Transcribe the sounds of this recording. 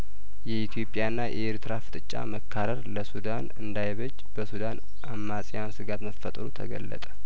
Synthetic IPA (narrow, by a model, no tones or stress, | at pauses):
jɛit̪ʰjo̞pʼːjaɨnːaʔeɾt̪ʰɨɾafɨ̥t̪ʼɨt͡ʃʼːa̰məkʰːaɾəɾləsud̪anɨnd̪ajβəd͡ʒ | bəsud̪an | ʔamːasʼɪjansɨɡat̪məfːət̪ʼɾut̪ʰə̰ɡə̰lːə̰t̪ʼə̥